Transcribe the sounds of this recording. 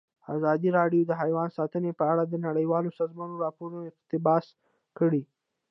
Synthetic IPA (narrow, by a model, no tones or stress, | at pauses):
a̰zɑd̪iɾɑɖjod̪əɦajwɑnsɑt̪ənepəaɽad̪ənaɽəjwɑlosɑzmɑnoɾɑpoɾunoɪt̪ɪbɑs | kəɽi